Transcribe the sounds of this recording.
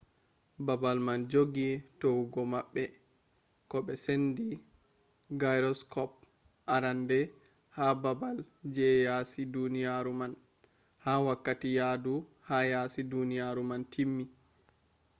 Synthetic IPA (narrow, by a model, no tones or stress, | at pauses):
babalmand͡ʒoɡitowɡɔmaɓːɛ | kɔɓɛsendi | ɡajɾɔskɔp̚ | ʔaɾandɛ | hababal | d͡ʒɛjasidunijaɾuman | hawakːatijadu | hajasidunijaɾumantʰimːi